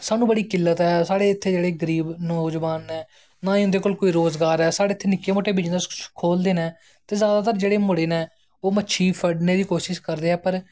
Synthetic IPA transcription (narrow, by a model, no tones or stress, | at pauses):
saːnũːbəɽiːkɪlːət̪ɦɛːsaːɽeːɪt̪ʰːeːd͡ʒeːɽeːɡəɾiːbnɔːd͡ʒʋaːnɛː | nãːĩːʊ̃nd̪eːkoːlkoːiːɾoːzɡaːɾɛːsaːɽeːɪt̪ʰːeːnɪkːeːmoːʈʰeːbid͡ʒnd̪akʰoːld̪eːnɛː | t̪eːzjaːd̪aːt̪əɾd͡ʒeːɽeːmʊɽeːnɛ̃ː | oːmətːʃʰiːpʰəɖneːd̪iːkoːʃɪʃkəɾd̪eːɦɛːpəɾ